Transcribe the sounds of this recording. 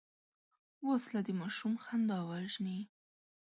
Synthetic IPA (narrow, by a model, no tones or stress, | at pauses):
woslad̪əmɑʃumxand̪ɑwaʒni